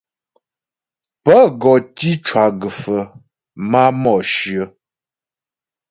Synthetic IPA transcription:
pə˦ɡɔ˨ti˦t͡ʃwa˨ɡə˨fə˨ | ma˦mɔ˨ʃɥə˨˦

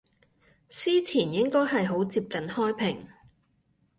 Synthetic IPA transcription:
siː˥t͡sʰiː˨˩njɪ˥ŋkɔː˥jɦɐ˨jɦo˨˥wt͡siː˧p̚kɐ˨˥nhɔː˥jpʰɪ˨˩ŋ

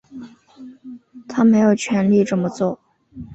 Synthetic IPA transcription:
t̪ʰa˥me˧˥ɪjo˨˩ʊt͡ɕʰɥɛ˧˥nli˥˧ʈ͡ʂɤ˥˩nmə˧t͡swɔ˥˩

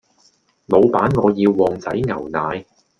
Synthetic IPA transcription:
mo˨˧wpaː˨˥nŋɔː˨˧jiː˧wːɔː˨˧ŋt͡sɐ˨˥jŋɐ̰˨˩wnaː˨˧j

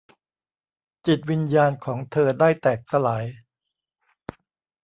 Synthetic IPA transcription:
t͡ɕi˨˩t̪̚wi˧njaː˧nkʰɔː˩˦ŋt̪ʰɤː˧daː˥˩jt̪ɛː˨˩k̚sa˧laː˩˦j

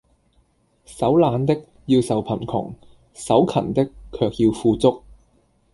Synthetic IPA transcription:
sɐ˨˥wlaː˨˧nt̪ɪ˥k̚ | jiː˧wsɐ˨wpʰɐ˨˩nkʰʊ̰˨˩ŋ | sɐ˨˥wkʰɐ̰˨˩nt̪ɪ˥kʰːœː˧k̚jiː˧wfuː˧t͡sʊ˥k̚

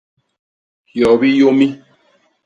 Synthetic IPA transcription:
hjɔ˨bi˦jo˦mi˦

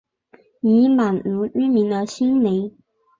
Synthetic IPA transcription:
ni˧˥ma˨˩nu˧˥y˥mi˧˥ŋd̪ə˧ɕi˥nme˧˥ɪ

